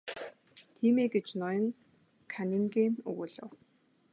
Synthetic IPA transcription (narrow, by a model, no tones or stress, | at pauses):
t̪ʰiːmeːɡet͡ɕnɔjɞ̆ŋ | kʰanʲiŋɡeːnɵ̰ɣɵ̆ɮə̰̆w